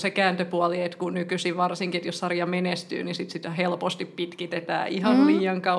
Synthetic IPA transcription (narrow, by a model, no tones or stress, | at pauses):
sekæːnt̪øpuɑliet̪kunykysiʋʋɑrsiŋkiet̪jossɑrjɑmenest̪y̰ːnisit̪sit̪helpost̪ippit̪kit̪et̪æ̰ːʔihɑnliːɑŋkɑ